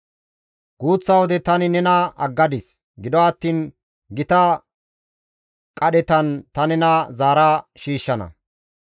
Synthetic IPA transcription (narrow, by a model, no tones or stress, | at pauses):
ɡ̥uːt͡sːɐwɔd̪ɛt̪ɐnɪnɛnɐɐɡːɐd̪ɪs | ɡɪd̪ɔɐt̪ːiːn | ɡɪt̪ɐ | kʼɐɗɛt̪ɐnt̪ɐnɛnɐzaːɾaːʃiːʃːɐnɐ̰